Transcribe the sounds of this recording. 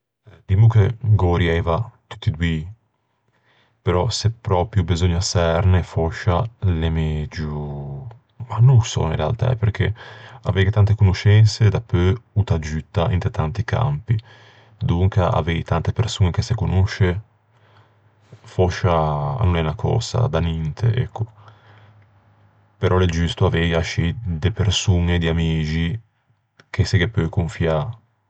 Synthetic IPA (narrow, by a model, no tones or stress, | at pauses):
d̪imukeɡoɾjɛvat̪u̥t̪ːid̪wi | peɾɔsepːɾɔpɾjubizoɲːasɛɾnefoʃːalemed͡ʒu | manuŋsɔ̰ĩnɾea̰lt̪a̰ɛ̰peɾkʰḛa̰vevit̪ant̪ekunoʃɛnsed̪apːøut̪ad͡ʒyt̪ːaʔḭnt̪et̪ant̪ikʰa̰mpi | d̪uŋkaa̰vejt̪ant̪epeɾsuːnekesekonuʃe | fɔʃːa̰nonɛnakʰɔ̰ːsa̰d̪anint̪ʰḛʔɛ̰kʰːo | peɾʔɔled͡ʒyst̪oavejaʃid̪epeɾsuŋed̪iamiːd͡ʒi | k̟ʰeseɡepːøkoɱfia